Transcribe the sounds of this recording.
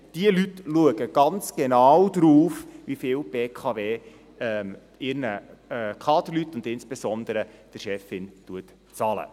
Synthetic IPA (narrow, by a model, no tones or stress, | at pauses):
d̥iəlytluəɡəɡ̥ɑnt͡sɡ̥enɑwd̥ɾuːfʋifɪːlb̥eːkʰɑveː | ɛm | ɪɾnəkʰɑːdəɾlytːʊndɪnsb̥esɔnd̪əɾəd̥əɾʃɛfɪntuət | t͡sɑlə̰